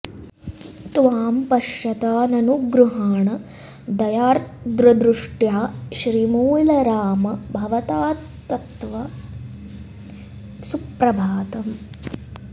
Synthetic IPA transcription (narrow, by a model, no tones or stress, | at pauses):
t̪ʋaːmpɐʃɐt̪aːnɐnuɡɾuɦaːɳɐ | d̪ɐjaːɾd̪ɾɐd̪ɾuʂʈjaːʃɾimuːlɐɾaːmɐbʱɐʋɐt̪aː | t̪ːɐt̪ʋɐ | supɾɐbʱaːt̪ɐm